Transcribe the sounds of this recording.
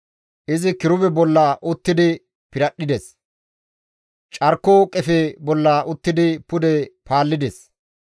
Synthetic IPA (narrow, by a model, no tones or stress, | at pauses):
ʔɪzɪkɪɾʊbɛbɔlːaːʔʊt̪ːɪd̪ɪ | pɪɾɐɗːɪd̪ɛs | t͡ʃʼɐɾkːoːkʼɛfebɔlːaːʔʊt̪ːɪd̪ɪpʊd̪ɛpaːlːɪd̪ɛs